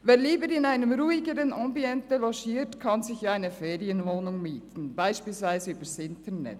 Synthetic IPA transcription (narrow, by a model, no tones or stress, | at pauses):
veːɾliːbəɾɪnaɪnəmɾuːɪɡəɾənɔmbiɛntəlɔʃiːtkʰɑnzɪçʔaɪnəfeːʁiənvoːnʊŋmiːtn̩baɪʃpiːlsvaɪzəyːbəɾsɪntʰənɛ̰t